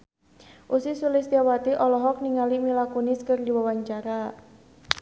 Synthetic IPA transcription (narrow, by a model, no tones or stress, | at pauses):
ʔusisulɪsd̪iawat̪iʔɔlɔɦɔk̚niŋalimilakunɪskərdiwawaɲt͡ʃaɾa